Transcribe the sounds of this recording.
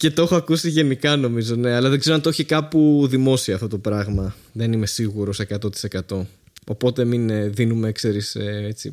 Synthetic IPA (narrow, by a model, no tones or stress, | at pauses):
ce̞t̪oo̞xoɐkusiʝe̞nikɐno̞mizo̞ne̞ɐlɐðeɡze̞ɾoɐnt̪o̞çikɐpuðimo̞siɐːft̪ot̪o̞pɾɐɣmɐ | ðe̞nime̞siɣuɾo̞sekɐt̪o̞t̪i̥se̞kɐt̪o̞ | o̞po̞t̪e̞minðinume̞kse̞ɾiset͡si